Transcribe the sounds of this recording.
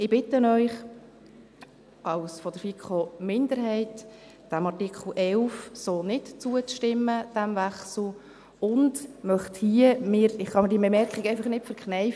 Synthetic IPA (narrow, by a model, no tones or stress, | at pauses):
ɪb̥ɪtənœʏχ | ɑwsfɔdəɾfikχomɪnd̪əɾɦɛɪt | d̥æmɑrtɪkʰl̩ʔɛlfsoːnɪtt͡suət͡sʃtɪməd̥æmvæχsl̩ˠ | ʊndmœχthiəmɪːɾɪχχɑmɪɾdiːəbɛmɛɾkχɪɡæɪfəχnɪtfəɾkχnɛɪf